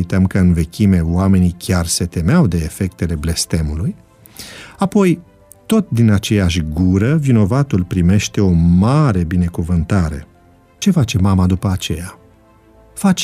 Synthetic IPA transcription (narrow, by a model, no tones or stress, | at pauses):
t̪amkəɨnve̞kʲime̞wame̞nikʲarse̞t̪e̞meawd̪e̞ːfe̞k̚t̪e̞le̞ble̞st̪e̞muluj | apo̞j | t̪o̞t̪d̪inat͡ʃe̞jaʃʲɡuɾəvino̞vat̪ulpɾime̞ʃt̪e̞o̞maɾe̞bine̞kuvɨnt̪aɾe̞̰ | t͡ʃe̞fat͡ʃe̞mamad̪upəat͡ʃe̞̰ja | fat͡ʃ